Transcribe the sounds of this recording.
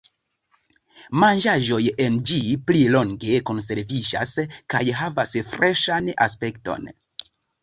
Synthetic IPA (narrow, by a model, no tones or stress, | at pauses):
mand͡ʒaʒo̞jend͡ʒiplilo̞ŋɡe̞ko̞ns̬e̞ɾvid͡ʒa̰skajɦavasfɾeʃana̰spe̞kto̞̰n